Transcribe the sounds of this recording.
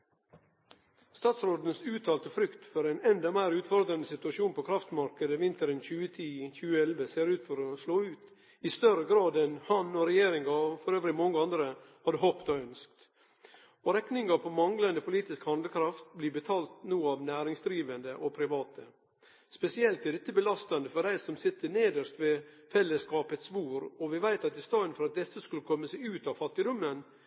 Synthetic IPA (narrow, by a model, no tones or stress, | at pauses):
st̪ɑːt̪sɾoːd̪ən̩sʉːt̪ʰɑːlt̪əfɾʏkt̪fɔɾæɪnɛnd̪ɑmæɪɾʉːt̪fɔɾd̪ɾɑnəsɪt̪ʉɑʃuːnpʰokʰɾɑft̪mɑɾkəd̪əʋɪnt̪əɾənçʉːət̪ʰiːçʉːəɛlʋəseːɾʉːt̪fɔɾɔsloːʉːt̪ | ɪst̪œɾəɡɾɑːd̪ɛnhɑnɔɾɛjeːɾɪŋɡɑfɔɾøːʋɾɪmɔŋːəɑnd̪ɾə | hɑd̪əɦoːpt̪ɑœnsk̚t̪ | ɔɾɛknɪŋɑpʰɔmɑŋlɑnd̪əpʰʊliːt̪ɪskhɑnd̪ləkʰɾɑft̪̚blɪbət̪ʰɑːlt̪nuːɑʋnæːɾɪŋsd̪ɾiːʋənd̪əʔɔpʰɾɪʋɑːt̪ʰə | spɛsɪɛlt̪ɪd̪ɛt̪ːəbəlɑst̪ɑnd̪əfɔɖæɪsɔmsɪt̪ːəneːd̪əʂt̪ʋɛ | fɛlːəskɑːpət̪sʋuːɾɔʋɪʋæɪt̪ɑt̪̚d̪ɪst̪ɑːənfɔɾɑt̪̚d̪ɛsːəskʉləkʰɔmːəsæɪʉːt̪ɑʋfɑt̪ːɪd̪ɔmːən